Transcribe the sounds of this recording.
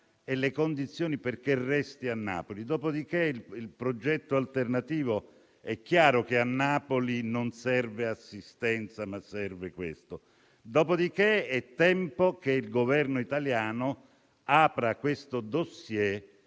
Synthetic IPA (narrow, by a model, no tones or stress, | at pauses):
elekond̪it̪sːjoːniperkerːɛst̪ianːa̰ːpolid̪ɔːpod̪ikeililpɾod͡ʒɛt̪ːoalt̪ernat̪iːvo | ɛk̟ːjaːɾokeanːaːpolinonsɛrveasːist̪ɛnt̪samasːɛrvekwḛst̪o | d̪oːpod̪ikeɛt̪ːɛmpokeilɡovɛrnoit̪aljaːno | aːpɾakwest̪od̪osje